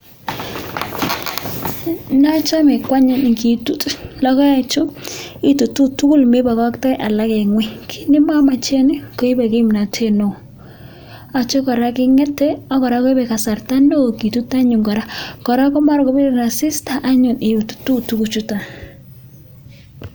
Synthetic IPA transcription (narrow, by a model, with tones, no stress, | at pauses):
na˦t͡ʃa˦mɪ˨kwa˦ɲa˦˨nɪ˨ki˨tu˦tlɔ˦kɔ˦a˦t͡ʃʊ˦ɪ˦tu˨tu˦tu˦ku˦lmɪ˦ba˨kɔ˦ktɛ˦ʔa˨la˦kɛ˨ŋwɪ˦kʰi̥˨nɪ˦ma˦ma˨t͡ʃe˦nɪ˦ko˨˦i˦ba˨kɪ˦mna˨tʰe˦no˨ | a˨t͡ʃɔ˦kɔ˨ɾa˦kɪ˦ŋɛ˦tɛ˦ɔ˦kɔ˨ɾa˨˦kɔ˦ɪ˦bɛ˨ka˨sa˨rta˦no˦˨ki˨tu˦ta˦ɲʊ˨ŋkɔ˨ɾa˦kɔ˨ɾa˦kɔ˦ma˦ɾkɔ˨bɪ˦ɾɪ˨na˨sɪ˦sta˨ʔa˦ɲʊ˨nɪ˨u˨tu̥˨tu˦tu˦ku˨t͡ʃu˦ta˨